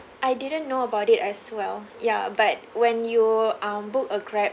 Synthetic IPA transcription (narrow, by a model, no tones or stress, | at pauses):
ʔajdidə̃nːoəbaʊtitɛswɛljabat̚wɛ̃njuãmbukəɡɹɛp̚